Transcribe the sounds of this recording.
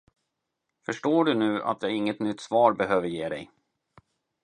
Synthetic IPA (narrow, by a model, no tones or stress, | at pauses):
fœʂʈoːɖɵnʉ̟ːʔa̰t̪̚d̪ɛæɾɪŋːət̪nʏt̪ːsvɑːɾbɛɦøːvəɾjeːd̪ɛ̰j